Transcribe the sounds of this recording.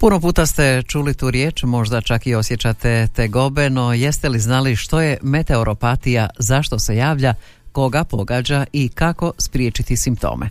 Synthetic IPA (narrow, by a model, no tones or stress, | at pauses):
puno̞puːt̪ast̪e̞t͡ʃuːlit̪uːɾje̞ːt͡ʃmo̞ʒd̪at͡ʃakio̞sje̞t͡ɕat̪et̪eɡo̞beno̞je̞st̪eliznaliʃt̪o̞je̞me̞t̪e̞oɾo̞pat̪ijazaʃt̪o̞se̞jaːʋʎa | ko̞ɡapo̞ɡaːd͡ʑaikako̞spɾjeːt͡ʃit̪isimp̚t̪o̰ːmʔḛ